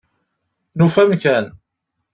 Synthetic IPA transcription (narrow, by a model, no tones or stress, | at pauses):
nufæmkæn